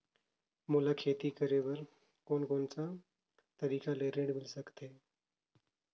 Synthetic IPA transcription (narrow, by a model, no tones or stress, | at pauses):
moːlakʰeːt̪iːkəɾeʋəɾ | koːnkoːnt͡sa | t̪əɾiːkaleːɾeːɖmɪlsəkt̪ɦeː